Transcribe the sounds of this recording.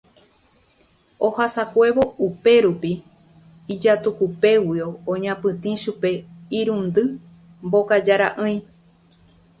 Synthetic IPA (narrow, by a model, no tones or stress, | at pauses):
ohasakʷe̞βo̞upe̞ɾupi | id͡ʒat̪ukupe̞wioõɲãpɨ̃t̪ĩʃupe̞iɾũnd̪ɨ | mbo̞kad͡ʒaɾa̰ʔɨ̃j̃